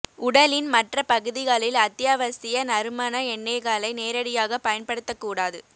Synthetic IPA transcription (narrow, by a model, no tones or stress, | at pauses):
ʊɽɐlɪnmɐʈrɐpɐɣɯðɪɣaːlɪlɐt̪ːjaːʋɐsɪjɐnɐɾɯmɐnɐɛɳːɛːɣaːlɐɪneːɾɐɽɪjaːɣɐpɐjɐnpɐɽɯt̪ːɐkːuːɽaːðɯ